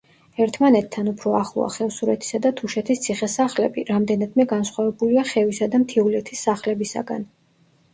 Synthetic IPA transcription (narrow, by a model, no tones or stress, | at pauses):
ɛɾt̪ʰmanɛt̪ʰːanupʰɾɔaχlˠɔ̰a̰χɛlsuɾɛt̪ʰi̥sad̪at̪ʰuʃɛt̪ʰist̪sʰiχɛsaχlɛbiɾamd̪ɛnad̪mɛɡansχwavɛbuliaχɛvisad̪amt̪ʰiulɛt̪ʰisːaχlɛbisa̰ɡa̰n